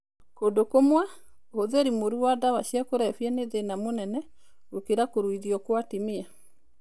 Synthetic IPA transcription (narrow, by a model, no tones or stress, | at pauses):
kodokomwa | hoðeɾimoɾuadawaɕjakoɾɛfjɛneðenamonɛnɛ | ɾokeɾakoɾwiðiɔkwatimia